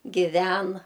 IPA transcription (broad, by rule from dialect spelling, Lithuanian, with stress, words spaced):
ɡʲɪˈʋʲɛn